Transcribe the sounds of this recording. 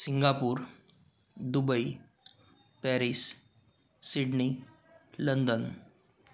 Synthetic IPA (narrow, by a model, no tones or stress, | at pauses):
siŋɡapuːɾ | d̪ubəi | pɛɾis | siɖni | lənd̪ən